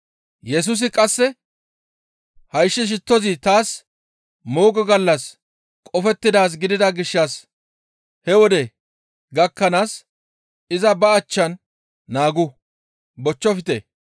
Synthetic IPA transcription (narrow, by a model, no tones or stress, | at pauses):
jɛs̬ʊs̬ɪkʼɐsːɛ | hɐjʃːɪʃ̬ɪt̪ːɔzɪt̪aːs | mo̞ːɡɔɡɐlːɐs | kʼɔfɛt̪ːɪd̪aːs̬ɡɪd̪ɪd̪ɐɡɪʃːɐs | hɛwɔd̪ɛ | ɡɐkːɐnaːs | ɪzɐbɐːt͡ʃːɐnː | aːɡʊ | bɔt͡ʃːɔfɪt̪ḛ